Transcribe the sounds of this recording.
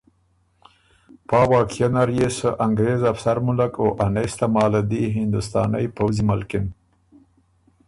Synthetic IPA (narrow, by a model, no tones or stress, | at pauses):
pɑːwɑːkijanaɾjesəʔaŋɡɾezafsaɾmʊlakoʔanajst̪amɑːlad̪iɦɪnd̪ʊst̪ɑ̰ːna̰jpawzimalkɪn